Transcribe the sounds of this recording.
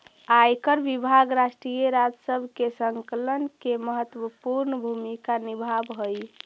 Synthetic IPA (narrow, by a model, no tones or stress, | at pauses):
ajkəɾbibʱaɡɾasʈɾijəɾad͡ʒsəbʱkesəŋkələnkeməɦət̪wəpuɾnəbʱumikanibʱabɦoj